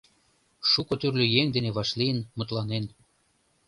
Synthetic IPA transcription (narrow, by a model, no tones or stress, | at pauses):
ʃukŏt̪yrlʲøjeŋd̪eneβɑʃlijənmut̪lɑnen